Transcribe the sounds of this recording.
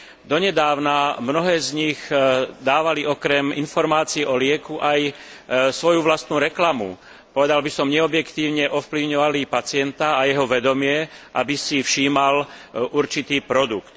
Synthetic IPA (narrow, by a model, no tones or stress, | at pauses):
d̪ɔɲɛd̪aːʊnamnɔɦɛːzɲiɣd̪aːʋaliʔɔkɾɛminfɔɾmaːt͡siːʔɔlɪɛkuʔaj | sʋɔjuʋlast̪nuːɾɛklamṵ | pɔʋɛd̪albisɔmɲɛɔbjɛkt̪iːʊɲɛʔɔfpliʊɲɔʋalipat͡sɪɛnt̪aːjɛɦɔʋɛd̪ɔmɪɛʔa̰bisifʃiːmalʔuɾt͡ʃit̪iːpɾɔd̪ukt̪